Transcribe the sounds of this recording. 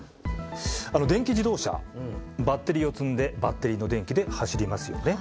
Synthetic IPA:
ano̞d̪ẽ̞ŋkʲiʑid̪o̞ːɕa̰bat̪ːe̞ɾʲio̞t͡sɨ̃nd̪e̞bat̪ːe̞ɾʲino̞d̪ẽ̞ŋkʲid̪e̞haɕiɾʲimasɨjo̞̰ne̞

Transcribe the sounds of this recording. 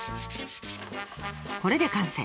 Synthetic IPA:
ko̞ɾe̞d̪e̞kãɰ̃sa̰

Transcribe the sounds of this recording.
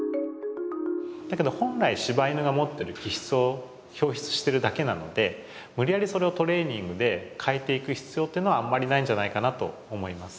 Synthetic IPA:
d̪̥ake̞d̪o̞hõ̞nɾaiɕibainɯɡamo̞t̪ːe̞ɾɯ̟kʲiçi̥t͡sɨo | ço̞ːçi̥t͡sɨ̥ɕi̥t̪e̞ɾɯ̟d̪ake̞nano̞d̪e̞ | mɯ̟ɾʲijaɾʲiso̞ɾe̞o̞t̪o̞ɾe̞ːɲ̟ĩŋɡɯ̟d̪e̞kʰaet̪e̞ikɯ̟çi̥t͡sɨjo̞ːt̪ːeiɯnoamːaɾʲinaĩɲ̟d͡ʑanaikanat̪o̞̰ːmo̞imasɨ̥

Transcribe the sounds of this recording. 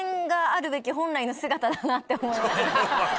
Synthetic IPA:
ŋɡaːɾɯ̟be̞kʲiɦõ̞nɾaino̞sɨɡat̪ad̪anat̪ːe̞omo̞imas

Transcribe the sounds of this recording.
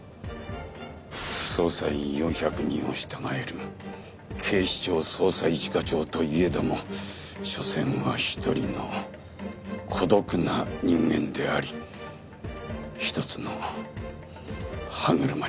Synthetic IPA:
so̞ːsaiɲijõ̞ɰ̃çakɯ̟ɲ̟ĩɰ̃o̞ɕi̥t̪aŋae̞ɾɯ | kʰe̞ːɕi̥t͡ɕo̞ːso̞ːsaiit͡ɕi̥kat͡ɕo̞ːt̪o̞ie̞d̪emo̞ɕo̞sẽ̞ɰ̃βaçi̥t̪o̞ɾʲino̞̰ | kʰo̞d̪o̞kɯ̟naɲĩŋɡẽ̞̰nd̪e̞aɾʲi | çi̥t̪o̞t͡sɨno̞ | haŋɯ̟ɾɯma

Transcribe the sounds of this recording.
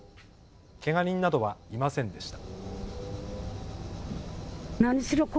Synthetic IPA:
ke̞ŋaɲʲĩnːad̪o̞βaimasẽ̞nd̪e̞ɕi̥t̪ḁ | naɲisiɾok

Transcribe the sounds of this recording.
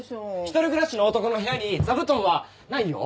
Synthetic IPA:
çʲi̥t̪oɾɯɡɯ̟ɾaɕinoːt̪o̞kono̞ɦe̞jaɲ̟id͡zabɯ̟t̪õ̞ɰ̃βa | naijo̰

